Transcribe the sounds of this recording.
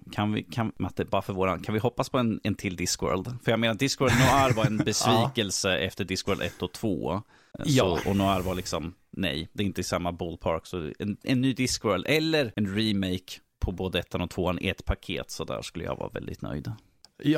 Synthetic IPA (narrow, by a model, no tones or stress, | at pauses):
kʰanvɪ̰kʰanmat̪ɛbɑːɾafœɾvoːɾankʰanvɪɦɔpːaspʰɔɛnɛnt̪ʰɪld̪ɪskwœ̰ːɾld̪fœɾjaɡmeːnad̪ɪskwəːld̪nʊaɾvɑɾɛnbɛsviːkɛlsəʔɛ̰ft̪əɖɪskœːɭd̪ɛ̰t̪ːɔt̪ʰv̥o̰ː | ɔʔɔnʊaɾvɑɭɪksɔm | nɛ̰jd̪ɛɾɪnt̪əɪsamːabɔlpʰɑɾksɔɛ̰nɛnːyːd̪ɪskwœːɾld̪ɛlːəɾɛnɾimeɪk | pʰɔboːd̪əɛt̪ʰːɛnɔt̪ʰvoːanɪ̰ɛt̪pʰakʰḛːt̪sɔd̪æ̰ːʂkɵlːə̰ja̰vɑ̰ːvɛ̰ld̪ɪ̰t̪nœ̰jd̪